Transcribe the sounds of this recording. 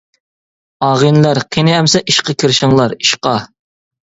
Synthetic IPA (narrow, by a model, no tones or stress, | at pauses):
ɑːʁinlæɾqʰenɪɛmsɛʔiʃqɑkʲʰɪɾʃɪŋlˠɑɾiʃqɑ